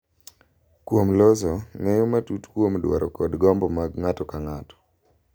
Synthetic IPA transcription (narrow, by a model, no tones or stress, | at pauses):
kwomlɔzɔŋɛjɔmatutkwomdwaɾɔkɔdɡɔmbɔmaɡŋatɔkaŋatɔ̥